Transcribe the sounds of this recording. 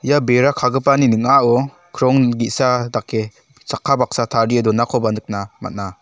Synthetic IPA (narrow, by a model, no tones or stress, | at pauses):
ijabeɾakʰaɡɯpaninɯŋaɔ | kʰɾɔŋɡitsadakʰːe | t͡ʃakʰːabak̚satʰaɾiedɔnakʰɔbanɯk̚nama̰t̚na